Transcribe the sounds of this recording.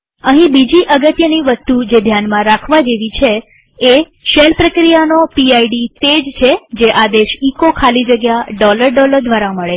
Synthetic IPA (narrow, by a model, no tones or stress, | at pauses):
əɦĩbid͡ʒiʔəɡət̪jəniʋəst̪ud͡ʒed̪ʱjanmãɾakʰʋad͡ʒeʋit͡ʃʰeː | ʃelpɾəkɾijanopiaiɖit̪ed͡ʒt͡ʃʰed͡ʒeʔad̪eʃikokʰalid͡ʒəɡjaɖɔləɾɖɔləɾd̪ʱʋaɾaməɭe